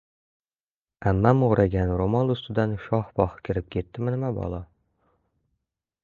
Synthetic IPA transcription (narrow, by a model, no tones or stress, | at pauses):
amːamoɾʔaɡʲanɾomɒlˠʊst̪ɪd̪anʃɒhbɒhkʲʰɪɾɪp̚kʲʰe̞t̪ːɪmɪnɪmabɒ̰lˠɒ